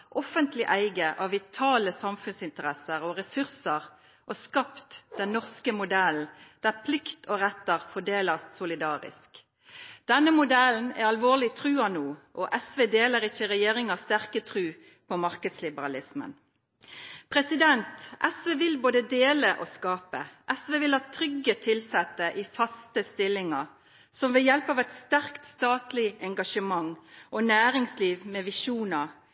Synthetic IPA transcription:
ʔɔfənt̪ʰlɪʔæɪɡəʔɑʋːɪt̪ʰɑːləsɑmfʉnsɪnt̪əʁɛsəʁɔʁɛsʉʁsəʁ | ʔɔskɑpt̪d̪̥ɛnnɔʁskəmʊd̪ɛln̩d̪̥æʁpʰlɪkt̪ʰɔʁɛt̪ːəʁfɔɖeːlɑssʊlɪd̪ɑːʁɪ̰sk | d̪̥ɛnːəmʊd̪ɛln̩æ̰ɑlʋoːʁlɪt̪ʰʁʉːɑnuːʔɔʔɛsʋeːd̪eːləʁɪçəʁɛjeːʁɪŋɑst̪æʁkət̪ʰʁʉː | pʰɔmɑʁkəd̪slɪbəɾɑlɪsmə̰n | pʰʁɛsɪd̪ɛnt̪ʔɛsʋeːʋɪlboːd̪əd̪eːləʔɔskɑːpə̰ʔɛsʋeːʋɪlhɑt̪ʰɾʏɡət̪ʰɪlsɛt̪ːəʔifɑst̪əst̪ɪlːɪŋɑ | sɔmʋɛjɛlpɑːʋɛt̪st̪æʁkt̪st̪ɑːt̪lɪɛŋɡɑʃəmɑŋʔɔnæːɾɪŋsliːʋmɛːʋɪʃuːnə

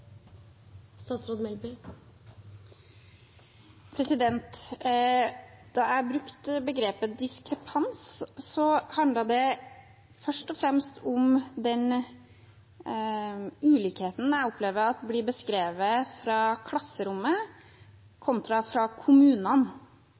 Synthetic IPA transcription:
st̪ɑːt̪sɾoːd̪mɛlby | pʰɾɛsɪd̪ɛnt̪ | d̪̥ɑæbɾʉkt̪bəɡɾeːpəd̪ɪskɾɛpʰɑnssɔhɑnd̪ləɖ̪ɛ | fœʂʈɔfɾɛmst̪ʰɔmd̪ɛn | ʉːlikheːt̪n̩æɪɔpʰleːʋəɑt̪blɪbəskɾeːʋəfɾɑkʰlɑsːəɾʊmːə | kʰɔnt̪ɾɑfɾɑkʰʊmʉːnən

